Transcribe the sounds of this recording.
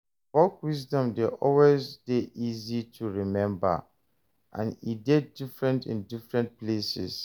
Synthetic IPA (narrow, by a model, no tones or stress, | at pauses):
fɔkwisdɔ̃mdeʔɔlwezdeʔizitʰuɹimɛ̃mba̰ | ʔã̰nidɛdːifɹɛ̃ntḭ̃ndifɹɛ̃ntplesḭs